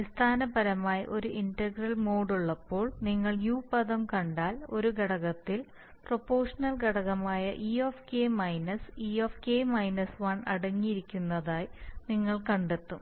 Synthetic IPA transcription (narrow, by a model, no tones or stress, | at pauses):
ist̪ʰaːnɐbɐɾɐmaːjɐ̰ʔo̞ɾuʔindɐɡrɐlmoːɽuɭːɐpːo̞ːɭniŋːɐɭjuːpɐðɐmkɐɳɖaːlo̞ɾuɡɐɽɐɣɐt̪ːil | pro̞pːo̞ːʂɐnɐlɡɐɽɐɣɐmaːjɐ̰ʔiofkeːmɐjnɐsiːoːfkeːmɐjnɐsʋɐnɐɽɐŋːijiɾikʲːunːɐðaːjniŋːɐɭkɐɳɖe̞t̪ːum